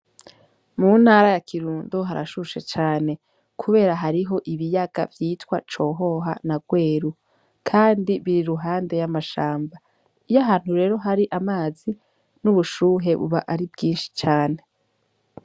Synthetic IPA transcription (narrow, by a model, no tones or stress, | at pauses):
muːn̥haːɾajakʰiɾuːndoɦaɾa̰ʃuʃe̞t͡ʃaːne̞ | kʰuβe̞ːɾaɦaɾiɦo̞ʔiβijaɡa̰vjiːtwat͡ʃo̞ːɦo̞ɦa̰naɡwe̞ːɾu | kʰaːndiβiɾiɾuɦaːnde̞jamaʃaːmba | ijaɦaːn̥huɾe̞ːɾo̞ɦaɾiʔamaːzi | nuβuʃuːɦe̞βṵβaʔaɾibɡiːnʃi̥t͡ʃaːne̞